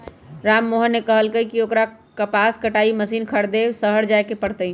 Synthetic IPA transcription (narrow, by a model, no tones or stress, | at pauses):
ɾamːoɦənːekəɦəlkəikiokɾa | kəpaskəʈaiməsinkʰəɾd̪esəɦəɾd͡ʒajkepəɽt̪ə